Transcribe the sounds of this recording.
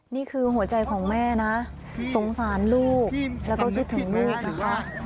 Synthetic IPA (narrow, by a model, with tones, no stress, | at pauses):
niː˥˩kʰɯː˧ɦu˩˦ɐt͡ɕa˧jkʰɔː˩˦ŋmɛː˥˩na˦˥ | so˩˦ŋsaː˩˦nluː˥˩k̚lɛ˦˥wkɔː˥˩kʰi˦˥t̪ʰːɯ˨˩˦ŋluː˥˩k̚na˦˥kʰa˦˥ʔ